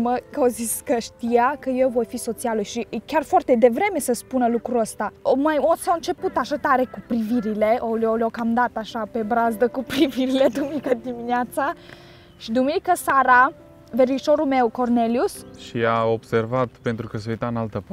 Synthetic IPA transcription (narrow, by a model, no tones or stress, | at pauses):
məkəoziskəʃt̪ijakəje̞wvo̞jfiso̞t̪sialujʃikʲarfoart̪e̞d̪e̞vɾe̞me̞səspunəlukɾuəst̪amajosoɨnt͡ʃe̞put̪aʃat̪aɾe̞kupɾiviɾile̞ʔololokamd̪at̪aʃape̞bɾazd̪əkupɾiviɾile̞d̪uminikəd̪imineat̪sa | ʃid̪uminikəsaɾa | veriʃo̞ɾume̞wko̞rne̞ljusʃiao̞b̥se̞rvat̪pe̞nt̪ɾukəseujt̪aɨnalt̪əp